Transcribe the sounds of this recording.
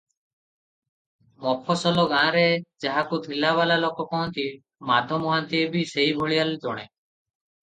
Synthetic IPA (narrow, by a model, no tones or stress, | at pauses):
mɔpʰɔsɔlɔɡãɾed͡ʒaɦakut̪ʰilaβalalokɔkɔɦɔnt̪i | mad̪ʱɔmɔɦant̪iebiseɦibʱɔɭijaled͡ʒɔɽ̃e